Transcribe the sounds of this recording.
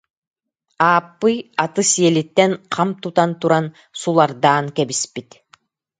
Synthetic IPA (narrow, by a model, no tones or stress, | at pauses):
aːpːɯjat̪ɯsiɛlit̪ːɛnqʰamt̪ut̪ant̪uɾan | sulˠaɾd̪aːnkɛbispit̪